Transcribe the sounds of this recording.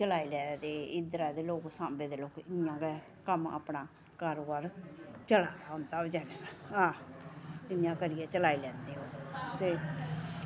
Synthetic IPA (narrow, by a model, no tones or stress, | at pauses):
t͡ʃəlaːiːlɛːd̪eːɪd̪ɾaːd̪eːloːksãːmbeːd̪eːloːkɪnɪjãːɡɛ | kəma̰ːpnaː | kəɾːəɾt͡ʃəlaːd̪aːɦʊnd̪aːd͡ʒaːneːd̪aãː | ɪnjãːkəɾɪjaːt͡ʃəlaːilɛ̃ːnd̪eːɦoːt̪eː